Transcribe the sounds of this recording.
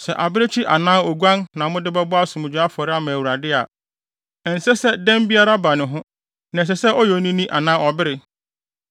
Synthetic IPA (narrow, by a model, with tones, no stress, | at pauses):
sɛ̰˨ʔa˨bɪ˦ɾɪ˦t͡ɕʰi˦ʔa˨nã˦o˨ɡu˦ã˦nnã˨mʊ̃˦dɪ˦bɛ˦bʊ˦a˦sʊ̃˨mɪ̃˨d͡ʑᶣa˦fɔ˨ɾɪ˦a˦mã˨æ˨wu˨ɾa˨dɪ˦a˨ | ɛ˨n̩˨sɛ˦sɛ˦dɛ̃˦mbi˦a˦ɾa˦ba˨nɪ̃˨ɦʊ̃˦ | nã˨s̬ɛ˨sɛ˦ʔɔ˦jɔ˨˦nĩ˦nĩ˦ʔa˨nã˦ɔ˨bɪ˦ɾɪ˦